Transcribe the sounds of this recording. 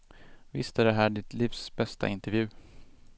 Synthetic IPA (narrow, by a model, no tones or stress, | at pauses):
vɪ̰st̪æɖɛɦæːɖɪt̪liːfsbɛst̪a̰ɪnt̪ɛɾvjʉ̟ː